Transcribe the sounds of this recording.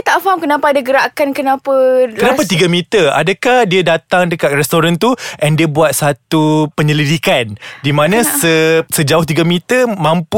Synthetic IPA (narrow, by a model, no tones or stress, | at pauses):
t̪aʔfaɦamkənapaːdaɡəɾakankənãpakənapat̪iɡamit̪əa̰dakahdiadat̪aŋdəkat̪̚rɛst̪oɾant̪uʔɛndiəbuat̪̚sat̪upəɲəlidikandimãnãsəsəd͡ʒaʊht̪̬iɡamit̪əmãmpu